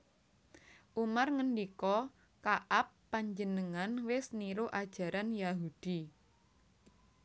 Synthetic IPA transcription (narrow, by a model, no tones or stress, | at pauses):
ʔumarŋəndikɔ | kaʔapːaɲd͡ʒənəŋanwɪsniɾoʔad̥ʒ̥a̤ɾanjaɦud̥i